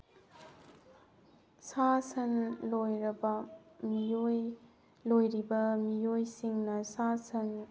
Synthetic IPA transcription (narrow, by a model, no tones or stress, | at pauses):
sasɐnlojɾɐbɐmijoj | lojɾibɐmijojsiŋnɐsasɐn